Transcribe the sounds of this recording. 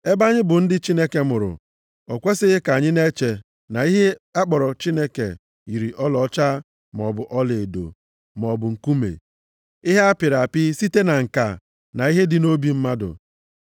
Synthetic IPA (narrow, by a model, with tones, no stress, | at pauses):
e˦ba˦ɲɪ˦bʊ˨n̩˦dɪ˦t͡ʃi˦ne˦ke˨mʊ˨ɾʊ̰˨ | ɔ˨kʷe˦sɪ˦ɣɪ˦ka˨ɲɪ˦ne˦t͡ʃe˨ | na˨i˦ɦe˦a˦k͡pɔ˨ɾɔ˨t͡ʃi˦ne˦kḛ˨ | i˨ɾi˨ʔɔ˦lɔ˨˦t͡ʃa˦ | m˨ɔ˨bʊ˨ʔɔ˦le˨e˨do̰˨ | m˨ɔ˨bʊ˨ŋ̩˨ku˦mḛ˨ | i˦ɦe˦a˦pɪ˨ɾa˨pɪ˦si˦te˦na˨ŋ̩˨ka˨ | na˨i˦ɦe˦dɪ˦no˦bi˨m̩˦ma˦dʊ̰˨